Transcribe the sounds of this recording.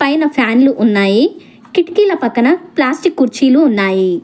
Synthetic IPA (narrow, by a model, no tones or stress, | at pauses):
pajnapʰaːnluʔʊnːaːi | kɪʈkilapɐkːənaplaːsʈikːʊɾt͡ʃʰiːluʊnːaːiː